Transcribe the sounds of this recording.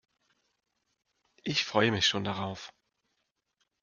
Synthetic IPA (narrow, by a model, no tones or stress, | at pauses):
ʔɪçfʁ̥ɔʏəmɪçʃoːndaʁaʊf